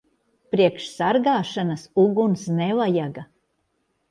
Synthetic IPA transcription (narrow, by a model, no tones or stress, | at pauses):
pɾiɛkʃsaɾɡaːʃanɐsuɡunsnɛvajaɡa